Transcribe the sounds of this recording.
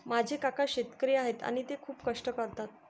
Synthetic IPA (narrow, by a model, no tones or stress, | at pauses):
mad͡ʑʱekakʰaɕet̪kɾiaɦet̪a̰ñit̪ekʰuːpkəʂʈəkəɾt̪at̪